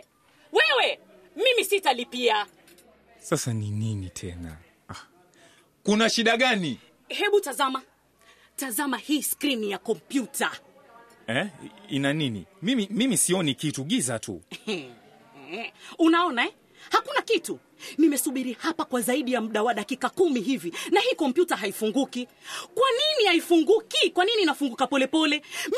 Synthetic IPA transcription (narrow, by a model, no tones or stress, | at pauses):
wɛwɛ | mimisitalipia | sasanininitʰɛna̰ | a | kunaʃiɗaɠani | hɛɓutazama | tazamahiːskɾinijakɔmpjuta | ɛinaninḭmimimimisiɔnikituɠiza̰tṵɛ | unaɔnaɛ | hakunakitu | nimɛsuɓiɾihapakwazaiɗijamuɗawaɗakikakumiɦivinahiːkɔmpjutaɦaifuŋɡuki | kwaninihaifuŋɡukikwaniniːnafuŋɡukapɔlɛpɔlɛ